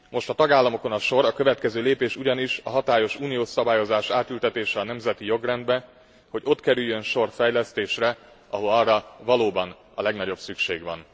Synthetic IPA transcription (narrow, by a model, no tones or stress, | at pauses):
mo̞ʃt̪ɒt̪ɒɡaːlːɒmo̞ko̞nɒʃo̞ɾɒkø̞vɛt̪kɛzøːleːpeːʃuɟɒniʃɒɦɒt̪aːjo̞ʃuːnijoːsɒbaːjo̞zaːʃaːt̪ylt̪ɛt̪eːʃɛɒnɛmzɛt̪ijo̞ɡrɛnd̪bɛ | ho̞ɟo̞t̪kɛɾyjːønʃo̞rfɛjlɛst̪eːʃrɛ | ʔɒɦo̞lɒrːɒvɒloːbɒn | ɒ̰lɛɡnɒɟo̞bsykʃḛːɡʋɒ̰n